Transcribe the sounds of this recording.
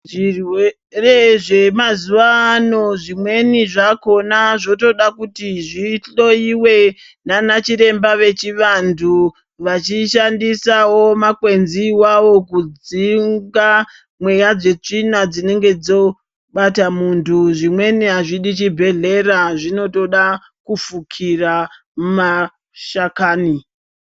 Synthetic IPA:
ʐirwe | re̞ʐe̞mazuʋaːno̞ʐimwe̞niʐako̞naʐo̞to̞ɗakutiʐiɬo̞iwe̞ | nanat͡ʃiɾe̞mbaʋe̞t͡ʃiʋantʰu | ʋat͡ʃiʃandisawo̞makwe̞nziwaʋo̞kud͡ziŋɡa | mwe̞jad͡ze̞t͡ʂinad͡zine̞ŋɡe̞d͡zo̞ | ɓatamuntʰuʐimwe̞neɦaʐiɗit͡ʃibʱe̞ɮe̞ɾaʐino̞to̞ɗa | kufukʰira | ma | ʃakaːni

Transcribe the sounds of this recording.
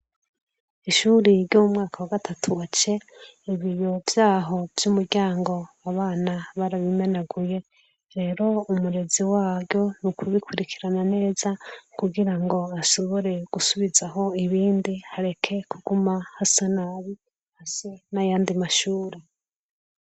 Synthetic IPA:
iʃuɾiɾɟomumŋaːkʰawaɡatʰatʰuat͡ʃe̞ | iβijo̞vjaːɦo̞vjumuɾɟaːŋɡo̞ | aβaːnaβaɾaβime̞naɡuje̞ | ɾe̞ːɾo̞umuɾe̞ziwaːɾjo̞nukʰuβikʰuɾikʰiɾanane̞ːz̥akuɡiɾaŋɡo̞asoβoɾe̞ɡ̥usuβizaɦo̞iβiːndihaɾe̞kʰe̞kʰuɡumahasenaβi | hasenajaːndimaʃuːɾe

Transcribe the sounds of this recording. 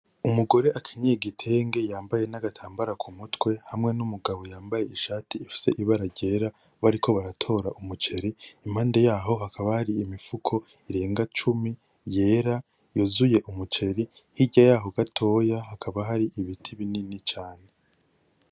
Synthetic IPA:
umuɡo̞ɾe̞ʔakʰiɲeɡitʰe̞ːŋɡe̞jaːmbaje̞naɡatʰaːmbaɾakʰumutwe̞hamŋe̞numuɡaβo̞jaːmbaje̞iʃaːtiːfi̥se̞ʔiβaɾaɾɟe̞ːɾa | βaɾikʰo̞βaɾatʰo̞ːɾaʔumut͡ʃe̞ɾiim̥haːnde̞jaːɦo̞ɦakʰaβahaɾiːmifukʰo̞ | iɾe̞ːŋɡat͡ʃumi | je̞ːɾa | jozuje̞ʔumut͡ʃe̞ɾihiɟajaːɦo̞ɡatʰo̞ːjaɦakʰaβaɦaɾiʔiβitʰiβininit͡ʃaːne̞

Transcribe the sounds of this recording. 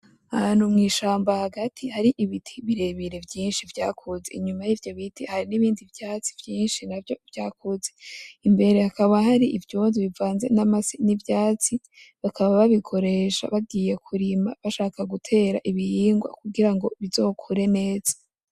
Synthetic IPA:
ahaːn̥humŋiːʃaːmbahaɡatʰihaɾiʔiβitʰi̥βiɾe̞βiɾe̞vjiːnʃivjaːkʰuze̞̰iɲumajivjo̞βitihaɾiniβiːndivjaːt͡si̥vjiːnʃinavjo̞v̥jaːkuzeimbe̞ɾe̞hakaβaɦaɾiʔivjuːndiβivaːnze̞namasinivjaːt͡si | βakʰaβaβaβikʰo̞ɾe̞ʃa̰βaɡiːje̞kʰuɾimaβaʃaːkaɡutʰe̞ːɾa̰ʔiβihiːŋɡwa̰kuɡiɾaŋɡo̞βizo̞ːkʰuɾe̞ne̞ːz̥ḁ

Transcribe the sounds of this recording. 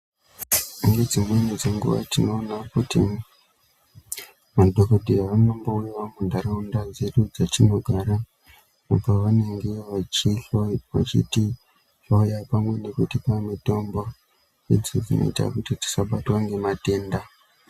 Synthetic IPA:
ŋɡe̞d͡zimwe̞ned͡zeŋɡṵʋa̰tino̞ːnakutḭ | madʱokodʱiaʋano̞mbouiʋamundʱaɾaundad͡zeɗud͡zat͡ʃino̞ɡʱaɾa | apaʋane̞ŋɡeʋat͡ʃiɬoʋa̰t͡ʃḭti | ɬojapamwe̞ne̞kutipamito̞mbo | ed͡zid͡zino̞̰ḭta̰kutiti̥saɓatwaŋɡe̞mate̞ːnda

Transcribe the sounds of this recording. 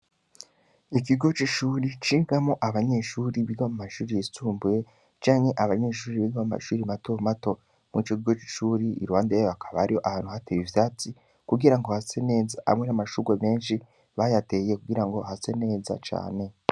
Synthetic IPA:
ikiɡo̞t͡ʃiʃuːɾit͡ʃiːŋɡamo̞ʔaβaɲe̞ʃuɾiβiɡamumaʃuːɾijit͡suːmbuje | t͡ʃaːɲhe̞ʔaβaɲe̞ʃuːɾiβiɡamuma̰ʃuːɾimatomato̞ | mŋit͡ʃokiɡo̞t͡ʃi̥ʃuːɾiḭɾuwaːndeβakʰḁβaɾiho̞ʔahaːnhuhatejivjaːt͡si | kuɡiɾaŋɡo̞hase̞ne̞ːzaʔa̰mŋenamaʃuɡweme̞ːnʃi | βajate̞jekuɡiɾaŋɡo̞hase̞ne̞ːza̰t͡ʃa̰ːne̞

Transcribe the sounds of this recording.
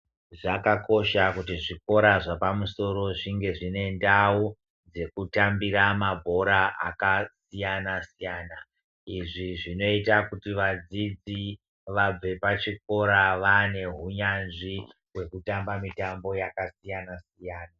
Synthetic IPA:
ʐakako̞ʃakutiʐiko̞ɾaʐapamuso̞ɾo̞ʐiŋɡe̞ʐine̞ndau | d͡ze̞kutambiɾamabʱo̞ɾaʔa̰kasijanasijaːna | iʐiʐino̞itakutiʋad͡zid͡zi | ʋab͡ve̞pat͡ʃik̚o̞ɾaʋane̞ɦuɲanʐi | we̞kutambamitambo̞jakasijanasijaːna

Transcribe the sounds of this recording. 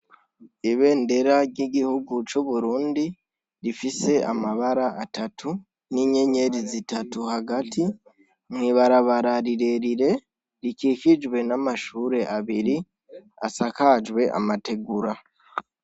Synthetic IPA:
iβe̞ːnde̞ɾaɟiɟihuɡut͡ʃoβuɾuːndi | ɾifise̞amaβaɾaatatʰu | niɲe̞ɲe̞ɾizitatuhaɡati | mwiβaɾaβaɾaɾiɾe̞ɾiɾe̞ | ɾikikid͡ʒwe̞namaʃuːɾe̞ʔaβiɾi | asakad͡ʒwe̞ʔa̰mate̞ɡuɾa

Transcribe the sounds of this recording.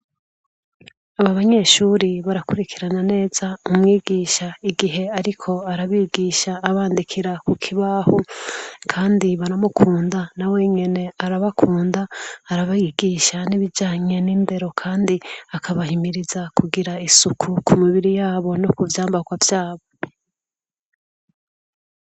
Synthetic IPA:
aβaβaɲe̞ʃuːɾiβaɾakuɾikʰiɾanane̞ːz̥aumŋiːɡiːʃaiɡiɦe̞aɾikʰo̞aɾaβiːɡiːʃaːβaːndikʰiɾakukʰiβahokʰaːndiβaɾamukʰuːndanawe̞ɲe̞ne̞aɾaβakʰuːndaːɾaβajiɡiːʃaniβid͡ʒaːɲe̞niːmde̞ɾo̞kʰaːndiakʰaβahimiɾizakʰuɡiɾaisukʰukʰumiβiɾijaːβo̞nokuvjaːmbaɡwavjaːβo̞

